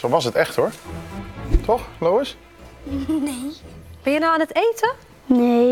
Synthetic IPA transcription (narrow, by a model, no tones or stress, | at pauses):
sowʋɑsətɛxthoɹ | tʰɔxlowəs | eb̥ɛnjənawanətejtə | ne